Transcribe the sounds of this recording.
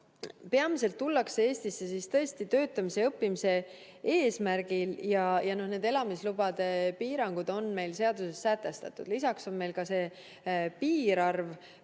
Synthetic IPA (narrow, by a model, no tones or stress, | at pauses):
peɑmise̞lt̪ːulːɑksee̞ːst̪isːe̞sist̪ɤ̞est̪it̪ø̞ːt̪ːˑɑmise̞ɤpːimise̞ | eːsmæɾɡ̥iljɑjɑno̞ne̞ːd̪e̞lɑmislubɑd̪̥epiːɾɑŋɡ̥ud̪̥o̞nme̞jlse̞ɑd̪̥use̞sːæt̪ːˑe̞st̪ɑt̪ːˑud̥̪lisɑkso̞nme̞jlkɑse̞ː | piːɾɑrv